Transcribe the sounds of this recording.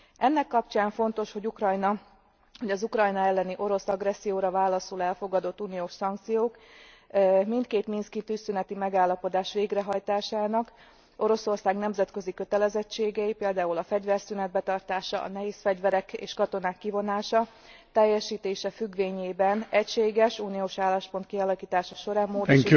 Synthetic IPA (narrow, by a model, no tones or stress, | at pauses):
ɛnːɛkːɒpt͡ʃaːɱfo̞nt̪o̞ʃho̞ɟukrɒjnɒ | ho̞ɟɒzukrɒjnɒɛlːɛniʔo̞ɾo̞sɒɡrɛsːijoːɾɒvaːlːɒsulɛlfo̞ɡɒd̪o̞t̪ːuːnijoːʃsɒŋk̚t̪sijoːk | mint̪keːt̪minskit̪ysynɛt̪imɛɡaːlːɒpo̞d̪aːʃʋeːɡrɛɦɒjt̪aːʃaːnɒk | o̞ɾo̞so̞rsaːɡnɛmzɛt̪køzikøt̪ɛlɛzɛt͡ʃːeːɡɛjipeːld̪aːulɒfɛɟvɛrsynɛd̪̚bɛt̪ɒrt̪aːʃɒ̰ɒ̰nɛɦeːsfɛɟvɛɾɛkḛːʃkɒt̪o̞naːkːivo̞naːʃɒ | t̪ɛjːɛʃiːt̪eːʃɛfyɡʋeːɲeːbɛnɛcʃeːɡɛʃuːnijoːʃaːlːaːʃpo̞nt̪kiɒlɒkiːt̪aːʃɒʃo̞ɾaːmːoːd̪